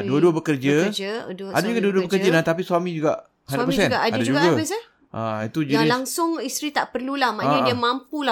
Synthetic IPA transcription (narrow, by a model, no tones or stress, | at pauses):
duəduəbəkərd͡ʒəd͡ʒadadad͡ʒuɡaduəduəbəkərd͡ʒənãt̪apisuamĩd͡ʒuɡaʔ | adaapəsɛndadad͡ʒuɡɡəbs | ʔait̪ud͡ʒiaɾilaŋsʊŋist̪ɾit̪aʔpərlulahmanĩdiamãmpula